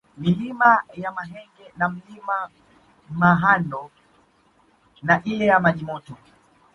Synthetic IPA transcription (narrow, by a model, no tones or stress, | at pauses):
milimajamaɦɛŋɡɛnam̩lima | maɦanɔ | naʔilɛjamaɲimɔtɔ